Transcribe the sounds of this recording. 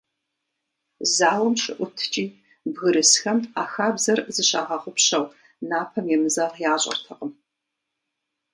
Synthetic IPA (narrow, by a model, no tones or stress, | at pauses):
zaːwɐmʃɨʔʷʊtʰt͡ʃʼiː | bɣɨɾɨsxɐmaːxaːbzɐrzɨɕaːʁɐʁʷʊpɕɐw | naːpʰɐmjɛmɨzaːʁjaːɕʼɐ̰rtʰɐqəm